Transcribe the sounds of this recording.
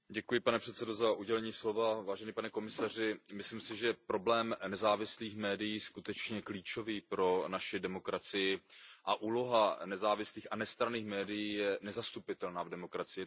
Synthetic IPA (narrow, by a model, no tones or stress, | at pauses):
ɟɛkujɪpanɛpr̥ɛt̪sɛdo̞zaʔuɟɛlɛɲiːslo̞vavaːʒɛniːpanɛko̞mɪsar̝ɪmɪslimsɪʒɛpɾo̞blɛːmnɛzaːvɪsliːxmɛːdɪjiːskut̪ɛt͡ʃɲɛkliːt͡ʃo̞viːpɾo̞naʃɪdɛmo̞kɾat͡sɪjɪʔaʔuːlo̞ɦanɛzaːvɪsliːxanɛst̪ɾaniːxmɛːdɪjiːjɛnɛzast̪upɪt̪ɛlnaːvdɛmo̞kɾat͡sɪjɪ